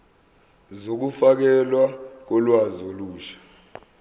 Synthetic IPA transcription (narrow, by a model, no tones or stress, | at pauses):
zok̬ufak̬ɛlwak̬ɔlwazoluːʃḁ